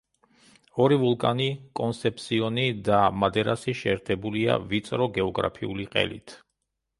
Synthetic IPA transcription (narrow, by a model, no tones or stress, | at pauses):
ɔɾivulˠkʼanikʼɔnsɛpʰsiɔnid̪amad̪ɛɾasiʃɛːɾt̪ʰɛbulia̰vit̪sʼɾɔɡɛɔɡɾa̰pʰiuliqʼɛ̰lḭt̪ʰ